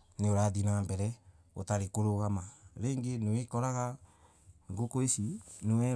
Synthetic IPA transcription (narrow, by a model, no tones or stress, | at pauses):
neoɾaːdinaːmbɛɾɛ | o̰taɾekoɾoɣamaɾeːŋɡenewekɔɾaɣa | ŋɡokoesinewɛ